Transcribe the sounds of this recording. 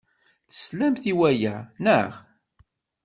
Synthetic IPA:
θə̥slæmθiwæjænəʁ

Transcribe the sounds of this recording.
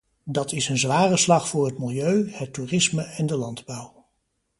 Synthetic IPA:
dɑtʰɪsənzʋaːrəslɑχfʊːɹɦətmɪlˠjøɥhətːurɪsməɛndəlɑndbʌw

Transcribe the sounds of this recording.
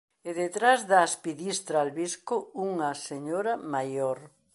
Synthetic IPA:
eðet̪ɾazðɐːspiðist̪ɾaːlβiskʊuŋɐseɲoɾɐmajoɾ

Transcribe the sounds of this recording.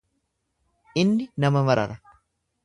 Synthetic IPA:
ʔɪnːɪnɐmɐmɐɾɐ̰ɾɐ

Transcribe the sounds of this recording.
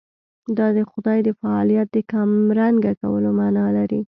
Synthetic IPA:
d̪ɑd̪əxʊd̪ɑjd̪əfaɑlijat̪̚d̪əkamɾaŋɡakawəlomɑnɑlaɾi

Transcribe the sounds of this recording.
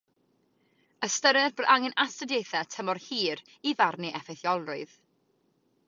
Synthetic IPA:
əstəɾɛrbʔaŋɛnastədeθɛtʰəmɔrhiːɾ | ivarniʔɛfɛθjɔlˠrʊɨð

